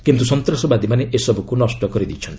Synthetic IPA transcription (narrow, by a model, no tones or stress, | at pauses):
ikint̪usɔnt̪ɾɔsɔbad̪imaneʔesɔbɔkunɔsʈɔkɔɾid̪it͡ʃʰɔnt̪i